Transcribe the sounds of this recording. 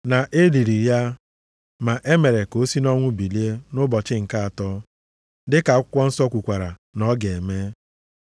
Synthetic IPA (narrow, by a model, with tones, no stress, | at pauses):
na˨ʔe˦li˨ɾi˨ja˦ | ma˨ʔe˦me˨ɾe˨ko˦si˦nɔ˦ŋʷʊ˦bi˨li˦e˦nʊ˦bɔ˨t͡ʃɪ˦ŋ̩˨ka˦a˨tɔ˦ | dɪ˦ka˨˦kʷɔ˦n̩˦sɔ˦kʷu˨kʷa˨ɾa˨nɔ˦ɡe˨me˦